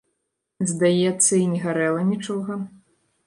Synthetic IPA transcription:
zd̪ajɛt̪sːɐinʲɛɣaɾɛlˠɐnʲit͡ʂɔɣɐ

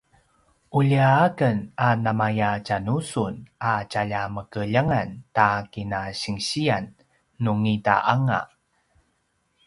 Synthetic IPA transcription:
ʔuʎiaakənanamajacanusunat͡ɕaʎaməkəʎaŋantakinaɕiŋɕianː | uŋita̰ʔaŋa̰

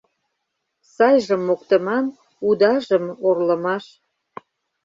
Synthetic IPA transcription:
sɑjʒə̆mːokt̪ə̆mɑm | ud̪ɑʒəmorlə̆mɑʃ

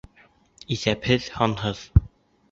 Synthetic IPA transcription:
iθæphɘðhɒnɦɤð̥

